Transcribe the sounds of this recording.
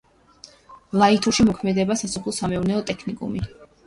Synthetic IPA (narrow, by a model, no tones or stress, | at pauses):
lˠait̪ʰuʃimɔkʰmɛd̪ɛbasasɔpʰlˠɔsamɛuɾnɛɔt̪ʼɛkʰnikʼṵmi